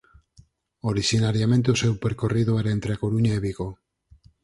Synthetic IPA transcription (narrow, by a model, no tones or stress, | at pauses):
oɾiʃinaɾjamẽnt̪eusewpeɾkoriðoɛɾaent̪ɾeakoɾuɲaeβiɣo